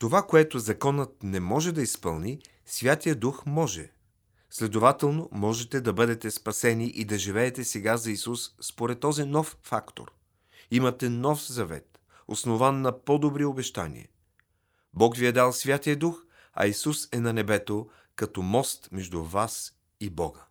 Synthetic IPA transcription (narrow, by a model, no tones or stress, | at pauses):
t̪ovakoɛt̪ozɐkɔnət̪̚nɛmɔʒɛd̪ɐispɤlˠni | svʲjat̪ijəd̪uxmɔʒɛ̰ | slɛd̪ovat̪ɛlˠnomɔʒɛt̪ɛd̪ɐbɤd̪ɛt̪ɛspɐsɛniʔid̪ɐʒivɛːt̪ɛsɛɡazɐisusːpoɾɛt̪ːɔzinɔffakt̪o̰ɾ | imɐt̪ɛnɔfzɐvɛ̰t̪ | o̰snovanːɐpɔd̪obɾiobɛʃt̪a̰nḭɛ̰ | bɔkviɛd̪alˠsvʲjat̪ijəd̪ux | ɐ̰isusɛnɐnɛbɛt̪o | kɐt̪ɔmɔst̪mɛʒd̪uvas | ibɔ̰ɡə